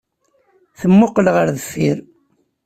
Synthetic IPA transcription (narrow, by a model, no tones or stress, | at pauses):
θəmːʊqːlʁəɾðəfːiɾ